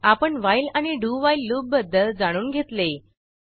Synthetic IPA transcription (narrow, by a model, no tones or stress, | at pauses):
apəɳʋajlañiɖuːʋailːuːb̚bəd̪ʱːəld͡zaɽ̃uːnɡʱet̪le